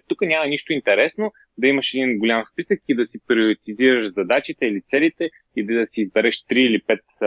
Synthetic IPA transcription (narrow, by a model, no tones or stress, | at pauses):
t̪ukənʲamɐniʃt̪oint̪ɛɾɛsno | d̪ɐiməʃɛd̪inɡʊlʲamspisəkid̪ɐsipɾʲioɾit̪iziɾəʃzɐd̪at͡ʃit̪ɛilit̪sɛlit̪ɛ | id̪ɐsiːzbɛɾɛʃt̪ɾiːlipɛt̪̚